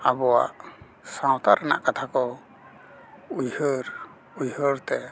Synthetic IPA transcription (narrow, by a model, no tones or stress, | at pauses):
abɔwa̰ʔ | sãwt̪aɾana̰ʔkat̪ʰakɔ | ujhəɾ | ujəɾt̪ɛ